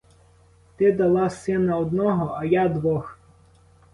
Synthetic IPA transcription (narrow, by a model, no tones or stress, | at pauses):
t̪ɪd̪ɐlˠɑsɪnɐɔd̪nɔɦɔʔɐjad̪ʋɔx